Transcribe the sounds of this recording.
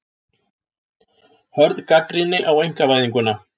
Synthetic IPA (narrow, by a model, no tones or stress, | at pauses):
hœɾðkakɾinɪʔawejŋ̥kavajðɪŋkʏnːa